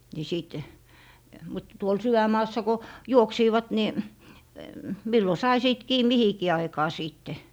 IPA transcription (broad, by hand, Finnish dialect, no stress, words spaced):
ni siˑt mut tuol sywæmˑɑːsːɑ ko juoksiːʋɑt ni milːo sɑi siˑt kiː mihikiː ɑikɑː siˑtːe